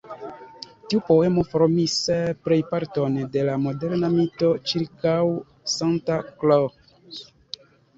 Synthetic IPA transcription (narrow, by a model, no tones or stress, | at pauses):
tiupo̞e̞mo̞foɾomispɾe̞jpaɾtonde̞lamo̞deɾnamito̞t͡ʃiɾkaw | santaklo